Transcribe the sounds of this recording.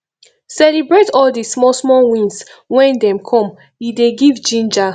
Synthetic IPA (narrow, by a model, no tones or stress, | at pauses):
sɛlibɹetɔldismɔsmɔ̃wĩnswɛ̃ndɛ̃mkʰɔ̃m | ideɡivd͡ʒĩnd͡ʒa